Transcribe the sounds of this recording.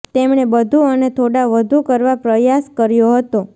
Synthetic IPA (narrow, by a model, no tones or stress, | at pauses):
t̪emɳebəd̪ʱuənet̪ʰoɽaʋəd̪ʱukəɾʋapɾəjaskəɾjoɦət̪o